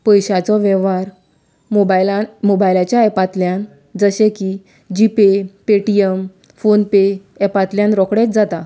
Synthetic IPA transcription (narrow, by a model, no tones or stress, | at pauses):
pəjɕat͡sɔʋɛʋaɾ | mobajlamobajlat͡ɕjaepat̪ljãn | d͡zəɕeki | d͡ʑipepeʈiem | fonpe | epat̪ljãnɾɔkɽet̪̚d͡zat̪a